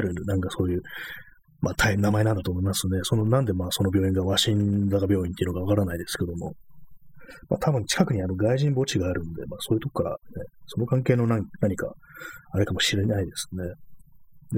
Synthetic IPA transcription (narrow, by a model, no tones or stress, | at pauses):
ɾɯ̟nãŋkaso̞ːjɯ̟ː | maːt̪ʰainamae̞nãnd̪at̪oːmo̞imasɨne̞so̞nonãnd̪e̞maːso̞no̞bʲjo̞ːĩŋɡaβaɕĩnzakabʲjo̞ːĩnt̪e̞iɯ̟noɡaβakaɾanaid̪e̞sɨ̥ke̞d̪o̞mo̞̰ | ma̰ːt̪ʰabɯ̟̃ɲ̟t͡ɕi̥kakɯ̟ɲ̟iano̞ɡaiʑĩmbo̞t͡ɕiɡaːɾɯ̟̃nod̪e̞maːsoːjɯ̟t̪o̞ko̥kːaɾa̰neso̞no̞kãŋke̞ːno̞nãnaɲ̟ika̰aɾekamo̞ɕiɾe̞naid̪e̞sɨ̥ne̞ | d̪